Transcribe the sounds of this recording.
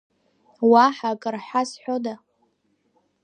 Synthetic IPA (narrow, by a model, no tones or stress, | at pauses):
waħakʼɨrħʷasħʷᶣoda